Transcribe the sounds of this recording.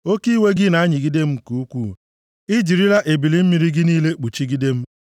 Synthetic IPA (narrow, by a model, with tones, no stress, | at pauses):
o˦ki˦we˦ɡɪ˦na˨a˦ɲi˨ɡi˦de˦m̩˦˨ku˨u˦kʷu˦˨ | ɪ˦d͡ʒi˨ɾi˦la˦ʔe˨bi˨li˦m̩˦mi˦ɾi˦ɡɪ˦niː˦le˦k͡pu˨t͡ʃi˦ɡi˦de˦m̩˦